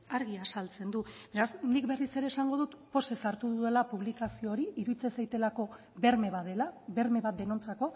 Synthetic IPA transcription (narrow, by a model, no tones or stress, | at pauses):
aɾɣiasalt͡se̞nd̪ube̞ɾasnikbe̞rise̞ɾe̞ːsaŋɡo̞ð̞ut̪po̞se̞saɾt̪uðue̞lapuβlikasio̞ːɾiiɾuðit͡se̞sajt̪e̞lako̞ | be̞ɾmeβaðelaβe̞ɾme̞βat̪̚d̪e̞no̞nt͡sako̞